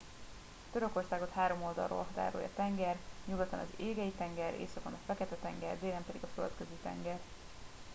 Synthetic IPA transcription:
t̪ø̞ɾø̞ko̞rsaːɡo̞t̪haːɾo̞mo̞ld̪ɒ̰rːo̰ːlɦɒt̪a̰ːɾo̰jɒ̰t̪ɛŋɡɛrɲuɡot̪ːɒ̰nɒzeːɡɛjit̪ɛŋɡɛɾḛːsɒkɒnɒfɛkɛt̪ɛt̪ɛŋɡɛ̰rd̪eːlɛmpɛd̪iɡɒfølt̪køzit̪ɛ̰ŋɡɛr

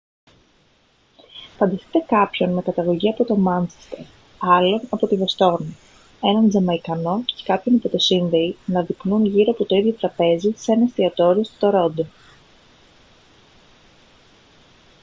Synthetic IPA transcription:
fɐnd̪ɐsi̥t̪e̞kɐpço̞nme̞kɐt̪ɐɣo̞ʝiɐpo̞t̪o̞mɐnt͡ʃe̥st̪eɾ | ɐlo̞nɐpo̞t̪ivest̪o̞ɾni | e̞nɐnd͡zɐmɐikɐno̞cekɐpço̞nipo̞t̪e̞sinðe̞inɐðiknunʝiɾoɐpo̞t̪o̞iðʝo̞t̪ɾɐpe̞zise̞nɐst̪iɐt̪o̞ɾio̞st̪oɾo̞d̪e

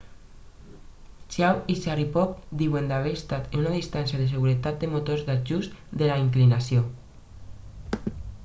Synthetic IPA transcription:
t͡ʃawiʃaripɔk̚d̪iwend̪aβeɾest̪at̪enunað̞ist̪ansjaðes̬eɣuɾet̪at̪̚d̪emot̪oɾzðad͡ʒuzd̪elaiŋklinasjo

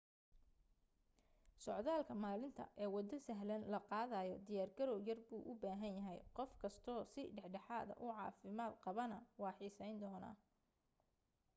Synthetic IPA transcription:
sɔʕðaːlkʰɐmaːlɪnt̪ʰɐ̰ʔɛːwɑd̪ɐsɐɦlɐnlɐqɑːðɐjɔd̪ɪjaːrɡɐɾɔwjɐrbuːʔʊbaːɦɐnjɐɦɛjqɔfkʰɐst̪ʰɔːsɪɖɛħɖɐħaːðɐ̰ʔʊʕɑ̰ːfɪmaːd̪qɑβɐnɐwɑːħiːsɛjnd̪ɔːna̰ː

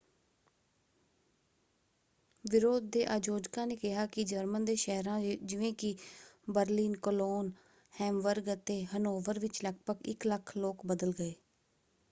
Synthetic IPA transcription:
ʋɪɾoːd̪̚ːeːʔaːd͡ʒoːd͡ʒkãːneːkɪɦaːkɪd͡ʒəɾmənd̪eːʃəɦɾãːd͡ʒɪʋẽːkɪbəɾliːnkəloːn | hɛːmʋəɾɡət̪eːɦənoːʋəɾʋɪt͡ʃləɡpəkɪ̰kləkʰloːkbəd̪əlɡəeː

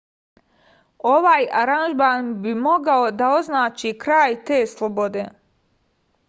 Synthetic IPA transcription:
o̞ʋaːjaɾanʒmaːnbimo̞ɡao̞d̪ao̞znaːt͡ʃikɾaːjt̪e̞ːslˠobo̞d̪eː

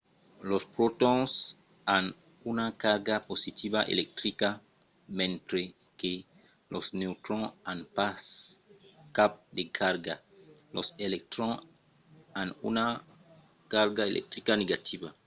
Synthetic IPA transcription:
lospɾot̪õŋs | an | unakaɾɡaposit̪iβaʔḛlek̚t̪ɾika | mẽnt̪ɾe | ke | lʔosnewt̪ɾõanpas | kap̚d̪ekʰaɾɡa | loselek̚t̪ɾõ | anṵna | kaɾɡaelʔḛk̚t̪ɾikaneɡat̪ʰiba

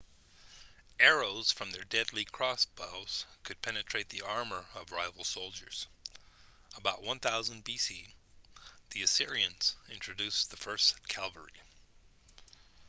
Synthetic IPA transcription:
ɛɹoʊz̥fɹʌ̃mðə˞dɛdˡlikʰɹ̥ɔsb̥oʊz̥kʰɨd̚pʰɛnɨtʰɹ̥eɪt̪̚ðiɑɹmə˞ʌvɹaɪvl̩ˠsoʊlˠd͡ʒə̰˞z̥ | əbaʊʔ̚wʌ̃nθaʊzə̃nbisi | ðiɨsɪɹiɨ̃nz̥ɪ̃nt͡ʃʰɹ̥ɨdʉsðəfɜ˞skʰælˠvə̰˞ḭ

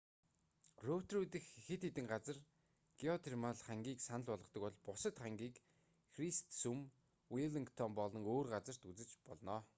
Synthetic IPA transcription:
rowt̪rut̪ɘ̆xexɘ̆t̪et̪ɘ̆ŋɢat͡sə̆r | ɡ̥iɔt̪ʰermaɮχaŋɡʲiːksanə̆ɮpɔɮʁɞ̆qt̪ɞ̆kɔɮpʊsə̆t̪χaŋɡʲiːk | xrist̪sum | wiɮiŋkt̪ʰɔmpɔɮɞ̆ŋoːrɢat͡sə̆r̥t̪ut͡sɘ̆t͡ɕpɔɮnɔː

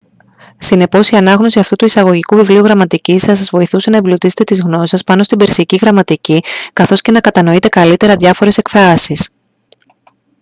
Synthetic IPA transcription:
sine̞po̞siɐnɐɣno̞siɐft̪ut̪uisɐɣo̞ʝikuvivliuɣɾɐmɐt̪icisɐsɐzvo̞iθuse̞nɐeblot̪ise̞̥t̪et̪izɣno̞ssɐspɐno̞st̪ibe̞ɾsiciɣɾɐmɐt̪icikɐθo̞sce̞nɐkɐt̪ɐno̞it̪e̞kɐlit̪e̞ɾɐðʝɐfo̞ɾe̞se̞kfɾɐsis

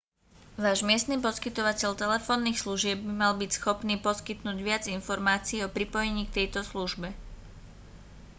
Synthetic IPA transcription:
ʋaːʒmɪɛst̪niːpɔskit̪ɔʋacɛʎt̪ɛlɛfɔːnːiːxsluʒɪɛbːimalbicsxɔpniːpɔskit̪nuːɟʋɪad͡zinfɔɾmaːt͡siːɔpɾipɔjɛɲiːk̚t̪ɛjt̪ɔsluʒbɛ

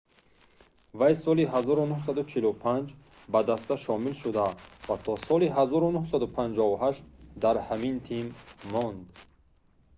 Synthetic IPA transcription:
vajsɔliɦazɔɾunuhs̬ad̪ut͡ʃʰilupʰand͡ʒ | bad̪ast̪aʃɔmilʃud̪avat̪ʰɔsɔliɦazɔɾunuhsad̪upʰand͡ʒɔuɦaʃt̪d̪aɾhamint̪ʰimːɔnd̪

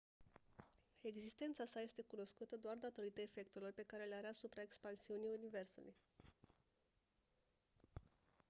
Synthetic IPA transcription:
e̞ɡzist̪e̞nt̪sasaje̞st̪e̞kuno̞skut̪əd̪oard̪at̪o̞ɾit̪əefe̞k̚t̪e̞lo̞rpe̞kaɾe̞leaɾeasupɾae̞kspansiunijunive̞rsṵlṵj

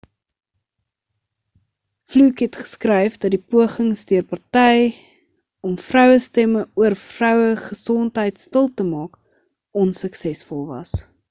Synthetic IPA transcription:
flukɦɛtχə̥skrɛjfdɐt̚dipuəχəŋsdiərpɐrtɛj | ɔmfrœwəstɛməuərfrœwəχəsɔntɦəjtstəlˠtəmɑːk | ɔnsəksɛsfɔlˠvɐ̰s

